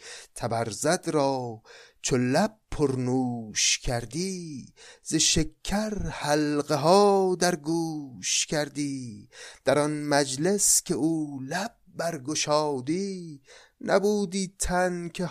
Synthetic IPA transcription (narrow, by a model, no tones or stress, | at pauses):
t̪ʰæbæɾzæd̪ɾɒːt͡ʃʰolæb̚pʰoɾnuːʃkʲʰæɾd̪iːz̥eʃekʰːæɾhælɢeɦɒːd̪æɾɡuːʃkæɾd̪iːd̪̥æɾɒnmæd͡ʒle̞skʲʰe̞ʔuːlæb̚ːæɾɡoʃɑɒːd̪iː | nʔæbuːd̪iːt̪ʰænkʰe